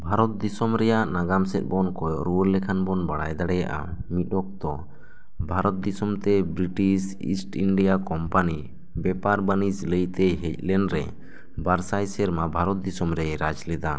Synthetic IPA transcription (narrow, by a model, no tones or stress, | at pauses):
bʱaɾɔt̪̚d̪isɔmɾɛjaʔnaɡamsɛt̪̚ˀbɔnkɔjɔʔɾuɾlɛkʰanbɔnbaɽajd̪aɽɛja̰ʔa̰mit̪̚ˀɔk̚t̪ɔ | bʱaɾɔt̪̚d̪isɔmt̪ɛbɾiʈisḭsʈiɳɖijakɔmpani | bɛpaɾbanisləjt̪ɛɦɛc̚lɛnɾɛ̰ | baɾsajsɛɾmabʱaɾɔt̪̚d̪isɔmɾɛɾad͡ʒlɛd̪a